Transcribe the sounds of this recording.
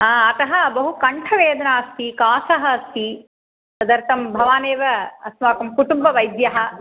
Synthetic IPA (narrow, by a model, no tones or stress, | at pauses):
ɐt̪ɐɦɐbɐɦukɐɳʈʰɐʋeːd̪ɐnaːst̪ikaːsɐɦɐɐst̪i | sɐd̪ɐɾt̪ɐmbʱɐʋaːneːʋɐɐsʋaːkɐmkuʈumbɐʋɐjd̪jɐɦɐ̆